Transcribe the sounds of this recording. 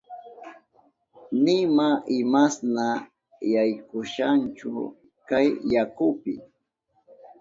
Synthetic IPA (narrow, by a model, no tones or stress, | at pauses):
nɪmaʔɪmasna | jajkʊʃant͡ʃʊ̰ | kajːakʊpɪ̰